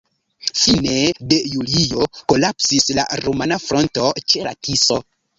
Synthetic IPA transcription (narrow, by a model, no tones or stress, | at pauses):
fine̞de̞julio̞ko̞lapsisla̰ɾomanafɾo̞nto̞t͡ʃe̞la̰tʰiso̞